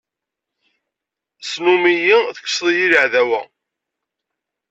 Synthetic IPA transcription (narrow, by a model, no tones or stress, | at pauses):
snumijiθəkːsˤðˤjiləʕðæwæ̰